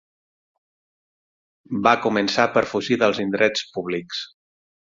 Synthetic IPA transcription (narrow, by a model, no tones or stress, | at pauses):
bakumənsapəɾfuʒiðəlˠzind̪ɾɛt͡spuβ̞liks